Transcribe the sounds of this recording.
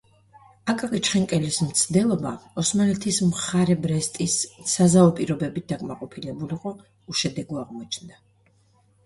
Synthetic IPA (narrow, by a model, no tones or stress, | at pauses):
akʼakʼit͡ʃχɛŋkʼɛlismt̪sʰd̪ɛlˠɔba̰ɔsmanɛt̪ʰismχaɾɛbɾɛst̪ʼisːazaɔpʼiɾɔbɛbit̪̚d̪akʼmaqʼɔpʰilɛbuliqʼɔ | uʃɛd̪ɛɡuaʁmɔt͡ʃʰnd̪a